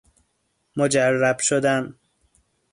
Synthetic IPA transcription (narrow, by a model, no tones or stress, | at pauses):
mod͡ʒærːæb̥ʃod̪æm